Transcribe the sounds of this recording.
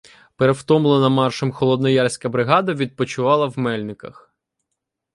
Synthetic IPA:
peɾewt̪ɔmlˠenɐmɑrʃɔmxɔlˠɔd̪nɔjɑrsʲkɐbɾɪɦɑd̪ɐʋʲid̪̚pɔt͡ʃʊʋɑlˠɐwmɛlʲnɪkɐ̰x

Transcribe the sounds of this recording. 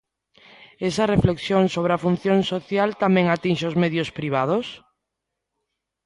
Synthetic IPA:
esɐrefleksjoŋsoβ̞ɾeafun̟θjoŋsoθjalt̪amɛ̃ŋat̪inʃeozmeðjʊspɾiβ̞að̞os

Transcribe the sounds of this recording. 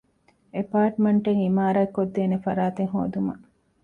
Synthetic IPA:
epaːʈmeɳʈeŋimaːɾaekːod̪ːeːnefɐɾaːt̪eŋɦo̰ːd̪umɐ̰

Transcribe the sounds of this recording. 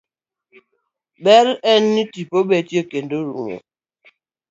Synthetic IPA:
bɛɾɛn̩ːitipobɛtjekendoɾṵŋo̰

